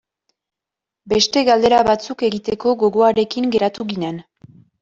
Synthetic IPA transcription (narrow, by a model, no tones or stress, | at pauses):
be̞st̪e̞ɣald̪e̞ɾaβat͡suke̞ɣit̪e̞ko̞ɣo̞ɣo̞aɾe̞kiŋɡe̞ɾat̪uɣinen